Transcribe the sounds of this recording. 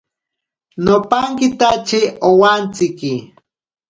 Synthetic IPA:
nopaŋkɪt̪at͡ʃiowant͡sɪki

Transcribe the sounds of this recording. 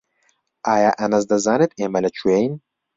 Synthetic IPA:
ʔaːjaʔɐnɐzd̪ɐzaːnet̪emɐlɐt͡ʃʰuwejn

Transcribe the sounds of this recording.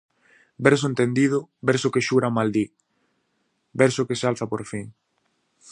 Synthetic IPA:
bɛɾs̬oʊẽnt̪end̪iðʊbɛɾsokeʃuɾamald̪i | bɛɾsʊkesalθapoɾfiŋ

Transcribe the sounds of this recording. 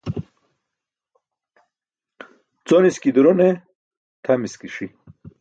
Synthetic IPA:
t͡soniskid̪uɾone | t̪ʰɐmiskiʂi

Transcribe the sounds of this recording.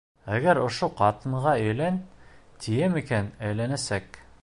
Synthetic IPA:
æɡæɾŏʃoqɑt̪ɤ̆ɴʁɑɵ̆jlænt̪ʰijæmikænæjlænæsæk

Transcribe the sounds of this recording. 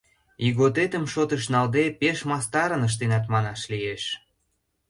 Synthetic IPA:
iɣot̪et̪ə̆mʃot̪ə̆ʃ̬nɑld̪epeʃmɑst̪ɑɾənəʃ̬t̪enɑt̪mɑnɑʃlijeʃ

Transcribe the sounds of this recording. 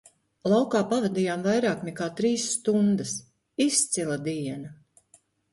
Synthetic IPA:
lˠawkaːpavad̪iːjaːmvajɾaːknɛkaːt̪ɾiːsːt̪und̪ɐs | ist̪silˠad̪iɛnɐ

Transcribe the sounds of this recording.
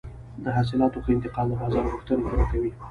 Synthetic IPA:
d̪əɦas̬ɪlɑt̪opəɪnt̪ɪqɑld̪əbɑzɑɾɣuxt̪ənet̪eɾakawi

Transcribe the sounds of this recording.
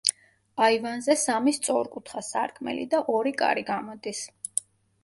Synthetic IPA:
aivanzɛsamist̪sʼɔɾkʼut̪ʰχasa̰ɾkʰmɛ̰lḭd̪aʔɔɾikʼa̰ɾiɡamɔd̪is

